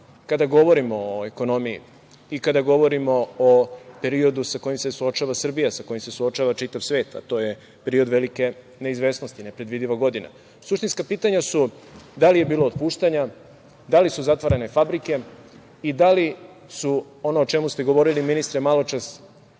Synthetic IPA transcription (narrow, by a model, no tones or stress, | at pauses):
kad̪aɡo̞ʋo̞ɾimooeko̞no̞mijḭ | ikad̪aɡo̞ʋo̞ɾimo̞ope̞ɾio̞d̪usako̞jimse̞suot͡ʃaʋasr̩bijasako̞jimse̞suot͡ʃaʋat͡ʃit̪aʋsʋe̞ːt̪a̰t̪o̞je̞ | pe̞ɾiod̪ʋe̞like̞ | ne̞izʋe̞ːsnost̪ine̞pɾed̪ʋid̪iʋaɡo̞d̪ina̰ | suʃt̪inskapiːt̪aɲasu | d̪alije̞biːlo̞ːd̪puːʃt̪aɲa | d̪alisuzat̪ʋaɾene̞fabɾike̞ | id̪ali | su | o̞noːt͡ʃe̞must̪eɡoʋo̞ɾiliminist̪ɾemalo̞t͡ʃas